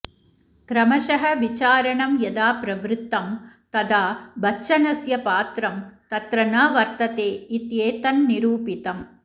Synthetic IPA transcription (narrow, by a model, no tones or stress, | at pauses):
kɾɐmɐʃɐɦɐʋit͡ʃaːɾɐɳɐmjɐd̪aːpɾɐʋɾɯt̪ːɐmt̪ɐd̪aːbɐt͡ʃːɐnɐsjɐpaːt̪ɾɐmt̪ɐt̪ɾɐnaːʋɐɾt̪ɐt̪eːit̪jeːt̪ɐnːiɾuːpit̪ɐm